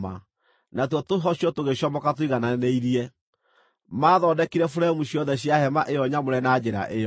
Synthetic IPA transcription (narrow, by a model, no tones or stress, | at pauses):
ma̰ | natwɔtoɦɔɕiɔtoɣeɕjɔmɔkatwiɣananeiɾiɛ | maːðɔdɛkiɾɛfoɾɛmuɕiɔðɛɕiahɛmaʔejɔɲamoɾɛnad͡ʑɛɾa̰ʔeɔ